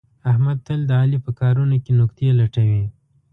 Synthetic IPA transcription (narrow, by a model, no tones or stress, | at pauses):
ahmad̪̚t̪əld̪əɑlipəkɑɾunokenʊkt̪jelaʈawi